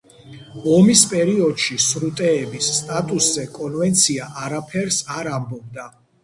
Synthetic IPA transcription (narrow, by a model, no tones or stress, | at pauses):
ɔmispʼɛɾiɔd̪ʃisɾut̪ʼɛːbisːt̪ʼat̪ʼuszɛkʼɔnvɛnt̪sʰiaʔaɾapʰɛɾsaɾambɔb̚d̪a